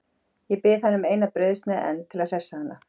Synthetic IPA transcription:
jɛpɪhanːʏmeːjnapɾœɥðst̪naʔɛ̰nːt̪ʰɪlaðr̥ɛsːahanːa

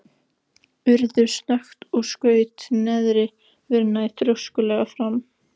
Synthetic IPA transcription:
ʏɾðʏɾsnɛxt̪ɔɣskœːɥt̪nɛðɾɪ | vɪɾnajθɾjowskʏlɛɣafɾam

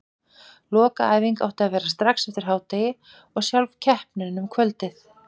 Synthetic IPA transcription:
lɔːka̰aːjviŋka̰wht̪ɪaðvɛːɾast̪ɾaksɛft̪ɪɾ̥ɦaːwt̪ajɪ | ɔɣsjalvcʰɛhpnɪnʏmkʰvœlt̪ɪθ

